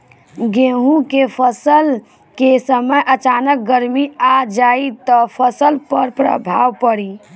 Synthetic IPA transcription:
ɡẽɦũkepʰəsəl | kesəməjʔət͡ʃaːnək̚ɡəɾmiad͡ʒait̪ɔpʰəsəlpəɾpɾə̰bʱaːʋpəɽi

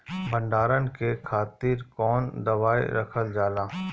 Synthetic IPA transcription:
bɐ̃ɳɖaːɾənkekʰaːt̪iɾkɔːnd̪ɐʋaːḛɾɐkʰəld͡ʒaːlaː

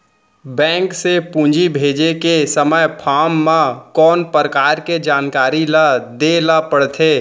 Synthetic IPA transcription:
bɛ̃ːŋksepũːd͡ʒibʱeːd͡ʒekesəməjpʰaːmːãkɔːnpəɾəkaːɾked͡ʒaːnkaːɾilad̪elapəɽt̪ʰeː

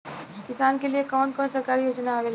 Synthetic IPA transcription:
kɪsaːnkeliekɔːnkɔːnsɐɾkaːɾijoːd͡ʒnaoʋel

